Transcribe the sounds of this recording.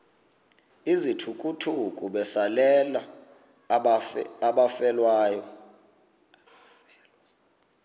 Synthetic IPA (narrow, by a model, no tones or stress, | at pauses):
izitʰukʼutʰukʼuɓɛsalɛla | aɓafɛlwaːjɔ